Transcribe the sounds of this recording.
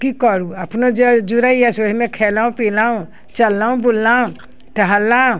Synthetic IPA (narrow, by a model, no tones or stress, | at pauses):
kikɔɾuapnod͡ʒɔd͡ʒuɾaiasoɦimẽkʰɛːlaːũpilaũ | t͡ʃɐlːaũbulːaũ | ʈaɦalːã